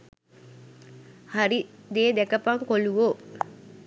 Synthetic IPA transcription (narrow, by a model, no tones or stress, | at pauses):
haɾid̪eːd̪ɛkəpaŋkoluʋo